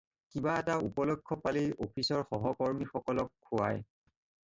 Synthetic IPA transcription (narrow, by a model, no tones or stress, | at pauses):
kibaɛtaupɔlɔkʰːɔpaliʔopʰisɔɹxɔɦɔkɔɹmixɔkɔlɔkʰːua̰j